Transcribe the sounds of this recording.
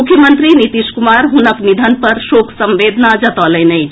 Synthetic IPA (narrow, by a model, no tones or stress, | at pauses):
ukʰjəmənt̪ɾinit̪iskumaɾɦunəknid̪ʱənpəɾsokʰsəmʋed̪ʱnad͡ʒət̪ələnəj